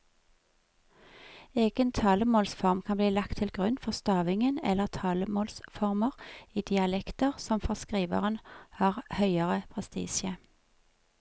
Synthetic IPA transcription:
eːɡ̥ənt̪ʰɑːləmoːlsfɔʁmkʰɑnbliːlɑk̚t̪ʰɪlɡʁʉnfɔʁst̪ɑːʋɪŋənɛ̰ləʁt̪ʰɑːləmoːlsfɔʁməʁiːd̪ɪɑlɛkt̪əʁsɔmfɔskʁiːʋə̰ʁənhɑːʁhœʏəʁəpʰʁɛst̪ḭːsə

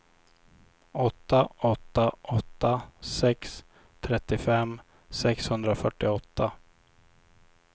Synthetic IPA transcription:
ɔt̪ːaʔɔt̪ːaʔɔt̪ːasɛks | t̪ʰɾɛt̪ːɪfɛm | sɛkshɵnd̪ɾafœʈːɪɔt̪ːa

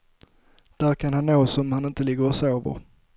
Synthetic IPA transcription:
d̪̥æːɾkʰanhanːoːsɔmhanɪnt̪əlɪɡːəɾɔsoːvə̰ɾ

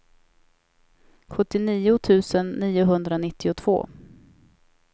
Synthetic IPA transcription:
ɧɵt̪ːɪniːʊt̪ʰʉ̟ːsənːiːʊɦɵnd̪ɾanɪt̪ːɪʊt̪ʰv̥o̰ː

